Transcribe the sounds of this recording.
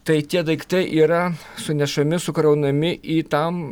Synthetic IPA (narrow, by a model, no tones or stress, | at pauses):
t̪ɐɪt̪ʲiɛd̪ɐɪkt̪ɐɪʔiːɾɐ | sʊnʲɛʃɐmʲɪsʊkɾɐʊnɐmʲɪʔiːt̪ɐm